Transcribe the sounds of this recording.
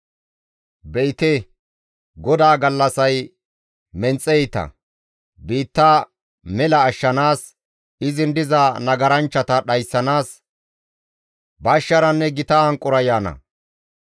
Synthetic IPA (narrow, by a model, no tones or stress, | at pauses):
bɛjt̪e | ɡɔd̪aːɡɐlːɐsɐj | mɛnt͡sʼːɛjt̪ɐ̰ | biːt̪ːa | mɛlɐːʃːɐnaːs | ɪzɪnd̪ɪzɐnɐɡɐɾɐnt͡ʃːɐt̪ɐɗɐjsːɐnaːs | bɐʃːɐɾɐnːɛɡɪt̪ɐhɐŋkʼʊɾɐjaːnɐ̰